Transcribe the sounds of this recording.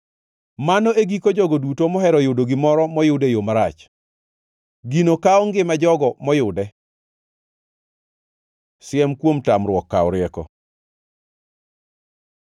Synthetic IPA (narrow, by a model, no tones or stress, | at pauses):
manɔʔeɡikod͡ʒɔɡodutomɔɦɛɾɔjʊdoɡɪmɔɾɔmɔjʊdejomaɾat͡ʃ | ɡinokaɔŋɡɪmad͡ʒɔɡɔmɔjʊdɛ | sɪɛmkwomtamrwɔkːaɔɾɪɛkɔ̰